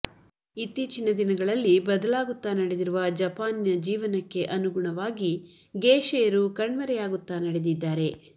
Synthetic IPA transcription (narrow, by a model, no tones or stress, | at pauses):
it̪ːiːt͡ʃinɐd̪inɐɡɐɭɐlːibɐd̪ɐlaːɡut̪ːaːnɐɽed̪iɾuʋɐd͡ʒɐpaːnjɐd͡ʒiːʋɐnɐkːe̞ʔɐnuɡuɳɐʋaːɡi | ɡeːʃɛjɐɾukɐɳʋɐɾɛjaːɡut̪ːaːnɐɽe̞d̪id̪ːaːɾe̞